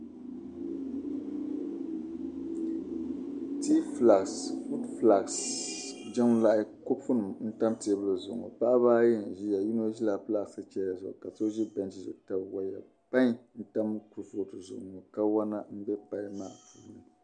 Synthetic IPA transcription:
ti˦fla˨ɡsfu˦dfla˨ks | d͡ʒa˦mla˦ʔɪ˦ko˦fu˦nɨ˨mn̩˦ta˦mti˨ɛ˨bɨ˦lɨ˨zʊ˨ŋɔ̰˨pa˦ʔa˦βaː˦jɛ˦˨n̩˨ʒi˦ja˨ji˦no˦ʒi˦la˨pla˦˨ɡsɨ˦t͡ʃɛ˦a˨zʊ˨ʔka˨to˦ʒi˦bɛ˨nt͡ʃi˦˨zʊ̰˨ta˨bwa˨ja̰˨ | pa˦ɲ˦n̩˦ta˦m˦ku˨ɾfʊ˨tɨ˨zʊ̰˨ʊ˨ŋɔ˨ka˦wa˦na˦m̩˦bɛ˦pa˨˦maː˦˨fu˨nɨ˨

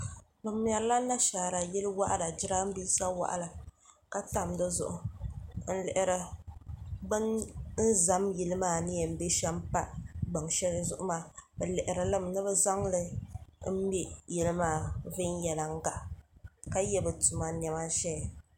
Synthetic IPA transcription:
bɨ˨m˦˨ɛ˨ɾla˦na˦ʃaː˨ɾa˨jɛ˦lɨ˦wa˦ʔda˨d͡ʒɪ˦ɾa˦m̩˦bi˦sa˦wa̰˦ʔa̰˨la˨ | ka˦ta˨mdɨ˦zʊ̰˨ʔʊ˨n̩˦lɪ˨ʔɪ˨ɾɨ˨ | bɨ˦nn̩˦za˨mjɛ˨lɨ˦maː˦˨nɨ˦jɛ˨m̩˦be˦ʃɛ˦m˦pa˦ɡ͡ba˨ŋʃɛ˦lzʊ˦ʔʊ˦maː˦˨bɛ˨lɪ˨ʔɪ˨ɾɨ˨lɨ˦mnɨ˦bɨ˦za˦ŋlɨ˦m̩˦bɛ˦jɛ˦lɨ˦maː˦˨vɨ˦n˦jɛ˨la˨ŋ˦ɡa˨ʔka˦jɛ˦bɨ˨tʊ˨ma˨n˨ɛ˨ma˦ʃɛ˦˨

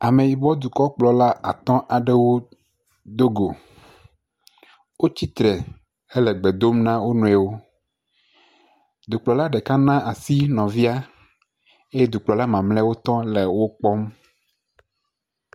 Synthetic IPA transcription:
a˨me˨ji˨bɔ˦d̪u˨kɔ˦k͡plɔ˨la˦ʔa̰˨t̪ɔ̃˦ʔa˨ɖe˦wo˦ | d̪o˦ɡo˨ | wo˦t͡ɕi˦t̪ɾɛ˨ | e˦lɛ˨ɡ͡be˨d̪o˦mnã˦wo˦nũ˨ɛ˨wo˦ | d̪u˨k͡plɔ˨la˦ɖɛ˨ka˦nã˦ʔa˨si˦nɔ̃˨vi˦a˦ | e˦je˦d̪u˨k͡plɔ˨la˦mã˨mlɛ˦wo˦t̪ɔ̃˦le˨wo˦k͡pɔ˦m

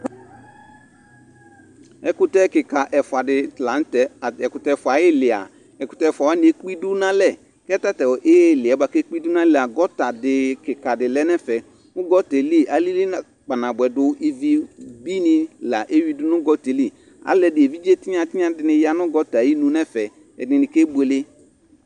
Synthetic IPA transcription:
ɛ˨kʊ˨tɛ˦kɪ˨ka˨ʔɛ˨fʊ˨a˨dɪ˨tlã˨˦n˦tɛ˨ɛ˨kʊ˨tɛ˦˨fʊ˨a˨˦jɪ˦lɪ˨a̰˨ | ɛ˨kʊ˨tɛ˦˨fa˨wa˦nɪ˨e˦k͡pi˦dʊ˦nã˦lɛ˨ | kɛ˦ta˦tɛ˨wɔ˨ʔɪ˦lɪ˨a˨˦ba˨kɛ˦k͡pi˦dʊ˦nã˦lɛ˨a˨ɡɔ˦ta˨dɪ˨kɪ˨ka˨dɪ˨lɛ˦nɛ̃˦fɛ˨ | ʊ˦ɡɔ˦tɛ˨li˦a˨li˦lɪ˦na˨ | k͡pa˨nã˨bʊ˨ɛ˨dʊ˦i˦vi˨bi˦nɪ̃˨la˨ʔe˦wi˦dʊ˦nʊ˦ɡɔ˦te˨li˦˨ | a̰˨lɛ˨dɪ˨e˨vi˦d͡ʒe˦tɪ˦ɲ˦a˨tɪ˦ɲ˦a˨dɪ˨nɪ̃˨ja˦nʊ̃˦ɡɔ˦ta˨ji˦nũ˦nɛ˦fɛ˨ | ɛ̰˨dnɪ̃˨nɪ̃˨ke˦be˨le˦

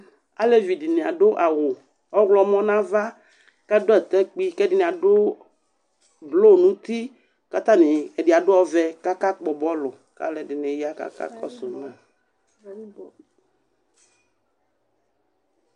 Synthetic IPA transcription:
a̰˦le˦vi˨di˨nẽ˨a˨ɖʊ˦ʔa˨wʊ˨ | ɔ˦ɣlɔ˨mɔ̃˦nã˦va˦ | kɛ˦dʊ˦ɛ˨t̪ɛ˦k͡pi˦kɛ˦dɪ˦nɪ̃˨a˨dʊ˦ | blo˦˨nũ˦t̪i˦ | ka˦t̪a˦nɪ̃˨ɛ˨di˨a˨dʊ˦ɔ˦vɛ˦ka˦ka˦k͡pɔ˨bɔ˦lʊ˨ | ka̰˦lɛ˨dɪ˨nẽ˨ja˦ka̰˦ka̰˦kɔ̰˦sʊ˨nã˦

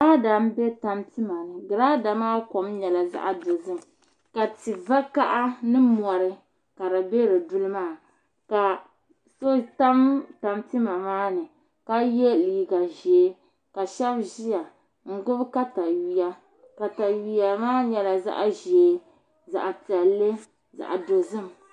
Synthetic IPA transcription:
a˦da˨m˦be˦ta˦mti˦ma˨nɨ˨ɡɨ˨ɾaː˦da˨maː˦kɔ˨mɲɛ˨la˨za̰˦ʔa˦dʊ˨zɨ˦m˨ | ka˨ti˨va˦ka˦ʔa˦nɨ˦mɔ˨ɾɨ˦ | ka˨ɾa˨be˦ɾɨ˨du˦lɨ˦maː˦˨ | ka˨ | so˦ta˦mta˨mti˦ma˨maː˦nɨ˨ | ka˦je˦liː˨ɡa˨ʒe˨˦ | ka˨ʃɛ˦bʒi˦ja˨ | ŋ̩˦ɡʊ˦bka˦ta˨wi˨ja˦ | ka˨ta˨ɥi˨ja˨maː˦ɲɛ˨la˨za̰˦ʔa˦ʒeː˨˦ | za̰˨ʔa˨ti˨a˨lːe˦ | za̰˨ʔa̰˨do˨zɨ˦m

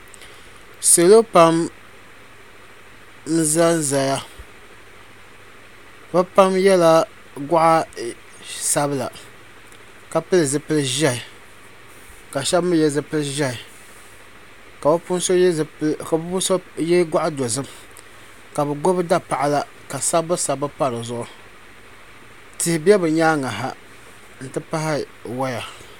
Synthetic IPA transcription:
sɨ˨lo˦pa˦m | n̩˦za˦n̩˦za˨ja˦ | bɨ˦pa˦mjɛ˦la˦ | ɡa˦ʔa˦ | sa˦bɨ˦la̰˨ | ka˨pɨ˦lɨ˨zɨ˦pɨ˦lɨ˦ʒɛ˦i˨ | ka˨ʃɛ˦bmɨ˦jɛ˦˨zɨ˦pɨ˦lɨ˦ʒɛ˦i˨ | ka˨bpu˦n˦so˦a˨bpu˦so˦jɛ˦ɡʷa˦ʔa˦do˨zɨ˦m | ka˨bɨ˨ɡo˦bɨ˦da˦pa˨ʔa˦la˦ | ka˨sa˦bbɨ˦sa˨bɨ˦pa˦ɾɨ˨zʊ˦ʔʊ˦ | tɪ˨˦hɪ˨bɛ˦bɨ˨ɲaː˦ŋa˨ɦa˨ | n̩˨tɨ˦pa˦hɪ˦ | wa˦ja˨

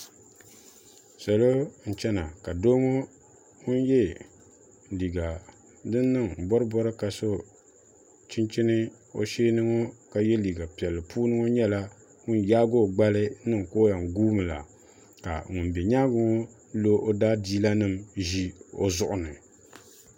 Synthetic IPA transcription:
sa˨lo˦n̩˨t͡ʃɛ˦na˨ka˨do˦ŋo˦ | ŋʊ˦njɛ˦ | li˨ɡa˨ | dɨ˦nː˦ɨ˦ŋ˨bɔ˦ɾɨ˦bɔ˦ɾɨ˦ka˨so˦ | t͡ʃi˦nt͡ʃi˦nɨ˦ | o̰˨ʃeː˦nɨ˦ŋo˦ka˨jɛ˦liː˨ɡa˨pi˨ɛ˨lːɨ˨puː˦nɨ˦ŋo˦ɲɛ˦la˦ | ŋʊ˦njaː˦ɡo˦˨ɡ͡ba˦lɨ˦nɨ˦ŋ˨ko˦ja˨ŋ˨ɡuː˦mɨ˨la̰˨ | ka̰˨ŋʊ˨nbɛ˨ɲa˦ɡʊ˦ŋo˦ | lo˦ʔo˦daː˦diː˦la˦nɨ˦mʒi˦o̰˦zʊ˨ʔʊ˨nɨ˨

